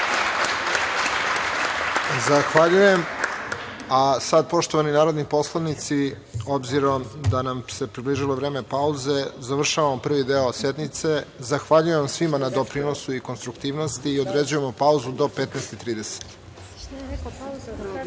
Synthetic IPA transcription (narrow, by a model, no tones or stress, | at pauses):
zaxʋaʎuje̞m | asad̪̚po̞ʃt̪oʋaninaːɾo̞d̪nipo̞slˠanit̪si | o̞bziɾo̞md̪anamse̞pɾibliʒilo̞ʋɾe̞ːme̞pauze̞zaʋr̩ʃaʋamopr̩ʋid̪eose̞d̪mit̪se̞zaxʋaʎujeʋamsʋimanad̪o̞pɾino̞suiko̞nst̪ɾukt̪iːʋno̞st̪iːod̪ɾe̞d͡ʑuje̞mopauzud̪o̞pet̪nɛjst̪it̪ɾiːd̪e̞se̥t̪